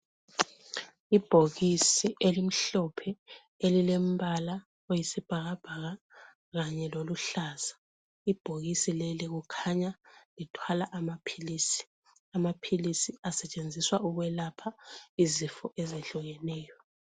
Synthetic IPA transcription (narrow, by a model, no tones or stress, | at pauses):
ib̥ʱoɣisiʔelim̩ɬɔpʰɛ | elilem̩bala | ojisib̥ʱaɣab̥ʱaɣa | ɣaɲɛloluɬaːz̥a | ib̥ʱoɣisileliɣukʰaɲalitʰwalaʔamapʰiliːsi̥ | amapʰilisiasɛt͡ʃʼend͡zʱiswauɣwɛlapʰaizifɔʔɛzɛɬuɣɛnɛːjɔ